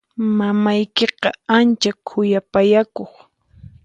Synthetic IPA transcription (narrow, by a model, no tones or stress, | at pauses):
mamajkeqɑant͡ʃakʰʊjapajakoχ